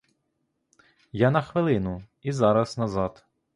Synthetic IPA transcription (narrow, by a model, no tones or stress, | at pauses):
janɐxʋɪlˠɪnʊ | izɑɾɐsnɐzɑt̪